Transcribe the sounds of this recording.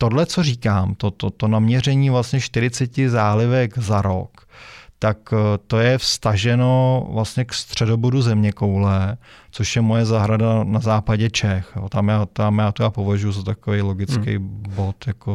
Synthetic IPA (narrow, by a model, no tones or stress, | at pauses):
t̪o̞dlɛt͡so̞riːkaːmt̪ot̪ot̪onamɲɛrɛɲiːvlast̪ɲɛʃt̪ɪɾɪt͡sɛcɪzaːlɪvɛkzaɾo̰kt̪akt̪o̞jɛfst̪aʒɛno̞vlastɲɛkst̪r̝̥ɛdo̞boduzɛmɲɛkowlɛt͡so̞ʃjɛmo̞jɛzaɦɾadanazaːpaɟɛt͡ʃɛxjot̪amjaːt̪amjaːt̪ujaːpo̞vaʒujuzat̪akovejlo̞ɡɪt͡skkɛ̰jbo̞t̪jako